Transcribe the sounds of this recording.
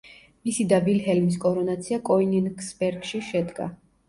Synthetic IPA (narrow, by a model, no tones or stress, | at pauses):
misid̪avilɦɛlmis̬kʼɔɾɔnat̪sʰiakʼɔininksbɛɾɡʃiʃɛd̪ɡa̰